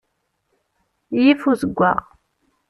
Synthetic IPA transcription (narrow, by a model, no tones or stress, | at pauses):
jifuzəɡʷːa̰ʁ